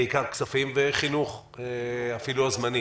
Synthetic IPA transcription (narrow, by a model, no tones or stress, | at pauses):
eikaʁksafimveχinuχ | eafiluazmani